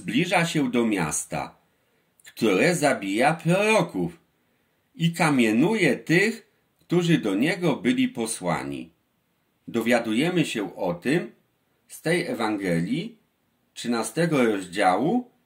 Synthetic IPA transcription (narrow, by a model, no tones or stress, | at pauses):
zblʲiʐaɕɛd̪ɔmʲja̰st̪a̰ | kt̪uɾɛzabʲijapɾɔɾɔkuf | ikamʲjɛnujɛt̪ɘx | kt̪uʐɘd̪ɔɲɛɡɔbɘlʲipɔswa̰ɲḭ | d̪ɔvʲjad̪ujɛmɘɕɛʔɔt̪ɘm | st̪ɛjɛvaŋɡɛlʲji | tʂɘnast̪ɛɡɔɾɔʑd͡ʑawu